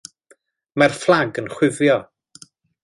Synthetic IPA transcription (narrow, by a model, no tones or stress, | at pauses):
marflˠaɡənχwɪvjɔ